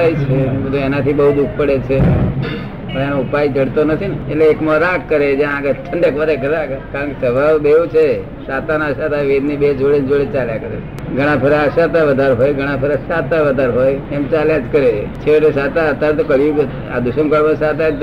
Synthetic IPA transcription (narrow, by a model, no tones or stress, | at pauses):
ajt͡ʃʰeət̪uenat̪ʰibəɦud̪ukʰpəɽet͡ʃʰe | əenõupajd͡ʒəɽt̪onət̪ʰinetleːkmoɾakːəɾed͡ʒjãɡət̪ʰəɳɖəkʋəɾeɡʱət̪akkaɾəɳkesəbʱaʋd̪eʋũt͡ʃʰe | sat̪anaəʃat̪aʋed̪nibed͡ʒoɭend͡ʒoɭet͡ʃaljãkəɾe | ɡʱəɽ̃ãpʰəɾeəʃat̪aʋəd̪ʱaɾɦojɡʱəɽ̃ãpʰəɾəʃat̪aʋəd̪ʱaɾɦojemt͡ʃaljãd͡ʒkəɾet͡ʃʰeʈesat̪aət̪ːaɾet̪okəɭjũ | a̰d̪uʃəmkəɭʋəsat̪ad͡ʒ